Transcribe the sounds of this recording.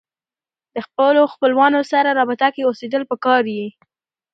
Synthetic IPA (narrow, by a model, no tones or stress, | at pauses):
d̪əxpəloxpəlwɑnosaɾaɾɑbɪt̪akeosed̪əlpəkɑɾji